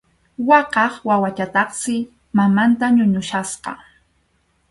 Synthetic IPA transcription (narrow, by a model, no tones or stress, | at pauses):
wɑqɑχwawat͡ʃat̪ɑχsɪ | mamant̪aɲʊɲʊʃasqɑ̰